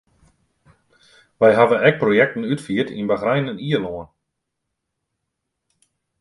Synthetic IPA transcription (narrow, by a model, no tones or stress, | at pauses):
ʋɛjɦavənɛk̚projɛk̚tən̩ytfiːətḭnbaɣrajnəniəloən